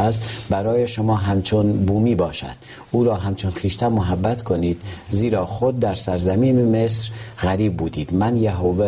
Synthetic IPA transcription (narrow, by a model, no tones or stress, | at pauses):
æst̪bæɾɒːjeʃomɒːɦæmt͡ʃʰonbuːmiːbɒːʃæ̰d̪̥ | uːɾɒːɦæmt͡ʃʰonxiːʃt̪æmoɦæbːæt̪ʰkʰoniːd̪̥ziːɾɒːxod̪̚ːæɾsæɾzæmiːnemesɾɣæɾiːb̚ːuːd̪iːd̪mænjæɦove